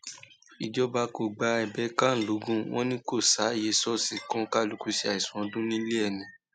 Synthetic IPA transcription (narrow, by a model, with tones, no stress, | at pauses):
i˨d͡ʒɔ˧˦ba˧ko˨ɡ͡ba˧˦ɛ˨bɛ˨˧˦kã˦n̩˨lu˨˦ɡũ˦w̃ʔɔ̃˦nĩ˦ko˦˨sa˨˦˨je˨˦sɔ˦si˧kɔ̃˦ka˦lu˨˧ku˧si˧˦a˨i˨sɔ̃˨˦dũ˦nĩ˦le˦ɛ˦˨nĩ˨